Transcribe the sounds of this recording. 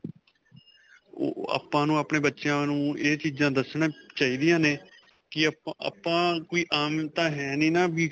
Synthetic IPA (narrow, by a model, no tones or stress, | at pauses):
o̰ːa̰ːpãːnũːaːpɳeːbətːʃãːnũːet͡ʃiːd͡ʒãːd̪əsnãːt͡ʃaːiːd̪ɪjãːneː | kɪ̰pãːkoːiːʔaːmt̪ãːɦɛːnĩːnaːbiː